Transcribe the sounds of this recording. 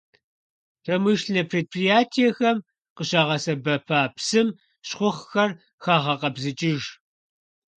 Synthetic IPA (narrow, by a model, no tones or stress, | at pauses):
rɐmɨʃnɐpʰreːt̚pʰrijaːtʰijɛxɐm | qəɕaːʁɐsɐbɐpʰaːpsɨm | ɕχʷʊχxɐr | xaːʁɐqɐbzɨt͡ʃʼɪʒ